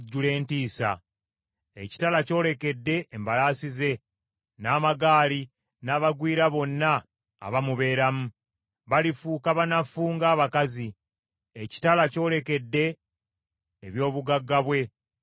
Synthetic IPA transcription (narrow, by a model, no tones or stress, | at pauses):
ɟːule̞ːntiːsa̰ | eci̥talaco̞ːle̞ke̞dːe̞ːmbalaːsize̞ | naːmaɡaːli | naːβaɡwiːɾaβo̞nːa̰ː | βamuβe̞ːɾamu | βalifuːkaβanafuːŋɡaːβakazi | eci̥talaco̞ːle̞ke̞dːe̞ | βjo̞ːβuɡaɡːaβwe̞